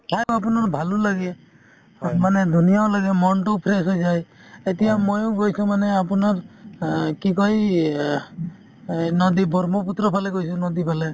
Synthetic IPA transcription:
ʈʰajapunaɾbʱalulaɡe | maned̪unijaʊlaɡemɔɳʈɔpʰɾesɦojd͡ʒajet̪ijamojʊ̃ɡojsʰũmaneapunaɾ | kikɔi | nɔd̪ibɔɾmɔput̪ɾɔpʰaleɡojsʰunɔd̪ipʰale

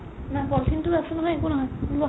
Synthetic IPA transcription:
mapɔltʰintuasunɔɦɔjekunɔɦɔjlu

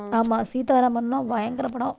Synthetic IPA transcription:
aːmːaːsiːt̪aːɾɐmɐnlãːʋɐjɐŋɡɐɾɐpːɐɽõ

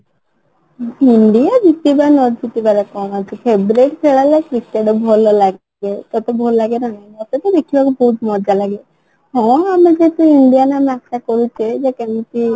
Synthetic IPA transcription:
iɳɖijad̪it̪ibanɔd͡ʒd͡ʒʱit̪ibaɾekɔmat͡ʃʰipʰebɾeʈkʰeɭalekɾikeɖɔbʱɔlɔlaɡ | et̪ɔt̪ebʱɔllaɡenɔnaɔt̪et̪ɔd̪ekʰibakubɔɦut̪mɔd͡ʒalaɡe | hɔ̃amed͡ʒeɦt̪uiɳɖijanamakakɔɾut͡ʃʰed͡ʒekemit̪i

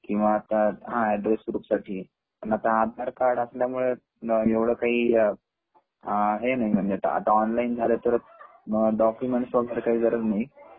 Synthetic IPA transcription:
kĩw̃ʋaːt̪aɦãɛɖɾesɾuːpsaʈʰiː | nat̪aɦat̪̚d̪ʱaɾkaɾɖəsəljamuɭe | eʋɽ̤əːkaɦiː | ɦenaɦim̤əɳd͡ʑet̪a̰a̰t̪aɔnlaind͡zʱalet̪əɾ | ɖɔkjumeɳʈsʋɔɡʱəɾkaɦiːd͡zəɾət̪naɦi

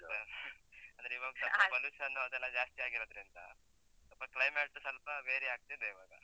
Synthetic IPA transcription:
ɐnd̪ɾeiʋaːɡɐt̪ɐpːɐbɐlusɐnːuɐd̪ɛlːɐd͡ʒaːst̪ijaːɡiɾod̪ɾind̪ɐ̰ | t̪ɐpːɐklɐjmeːʈːsɐlpɐbeːɾeaːɡ̚t̪id̪eiʋaːɡɐ̰

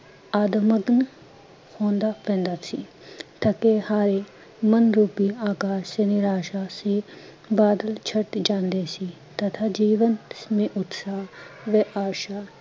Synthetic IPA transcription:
aːd̪əməɡən | hõːnd̪aːpɛ̃ːnd̪aːsḭː | t̪ɐkehaːɾe | mənɾuːpiːaːkaːʃsenɪɾaːʃaːsiː | baːd̪əlt͡ʃʰəʈd͡ʒãːnd̪eːsiː | t̪ɐt̪ʰaːd͡ʒiːʋənmẽʔʊt̪saːʋeʔaːʃaː

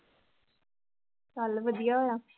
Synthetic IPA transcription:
kalʋəd̪ijaːɦojaː

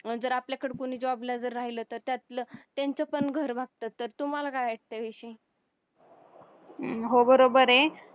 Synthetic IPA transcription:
əd͡zəɾapljakəɽekoɽ̃iːd͡ʑɔblad͡zəɾːaɦilət̪əɾt̪jat̪lət̪jaɲt͡səpəɳɡʱəɾʋaɡ̚t̪at̪ːəɾt̪um̤alakajeʈ̚ʰt̪əʋeɕi | ɦobəɾobəɾe

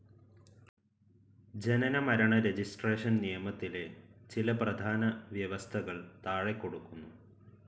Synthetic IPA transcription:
d͡ʑe̞nɐnɐmɐɾɐɳɐɾe̞d͡ʑisʈre̞ːʂɐnnijɐmɐt̪ːile̞t͡ɕilɐprɐd̪ʱaːnɐʋjɐʋɐst̪ʰɐɣɐɭt̪aːɻekːo̞ɽukːunːu

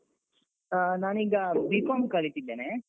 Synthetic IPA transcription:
naːniːɡɐbiːkomkɐlit̪id̪ːeːne

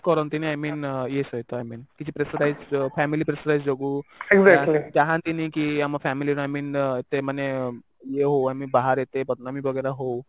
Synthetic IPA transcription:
kɔɾənt̪iniajmiːnjesɔjt̪oajmiːnkit̪ʰi̥pɾesəɾajt͡sfɛmilipɾesəɾajsd͡ʒoɡueɡzækllit̪aɦãnt̪inikiamafɛmiliɾ̃ajmiːnet̪emane | jeɦowajmibaɦaɾjet̪epət̪namibəɡəɾaɦow

